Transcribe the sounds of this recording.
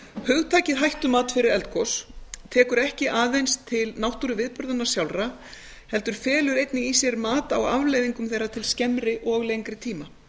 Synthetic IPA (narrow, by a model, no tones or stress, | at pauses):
hœɣt̪ʰaːcɪðɦajht̪ʏmaːt̪fɪɾɪɾɛlt̪kʰɔst̪ʰɛːkʏɾɛhcɪʔaːðejnst̪ʰɪlnawht̪uɾʏvɪðpʏɾðanːḁsjawlra | hɛlt̪ʏɾ̥fɛːlʏɾejt̪nɪisjɛɾmaːt̪awavlejðiŋkʏmθejɾːat̪ʰɪlscɛmɾɪʔɔɣlejŋkɾɪt̪ʰiːma